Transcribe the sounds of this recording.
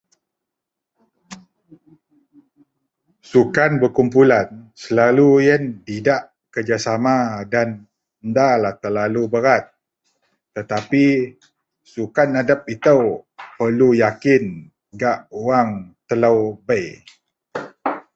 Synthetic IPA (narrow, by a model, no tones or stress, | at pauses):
sukanbəkumpulansəlalujənt̪idaʔ | kərd͡ʒasamadan | ndalaht̪ərlalubəɾat̪̚ː | ət̪api | sukanadap̚it̪əwpərlujakɪn | ɡaʔuwaŋt̪ələwbəj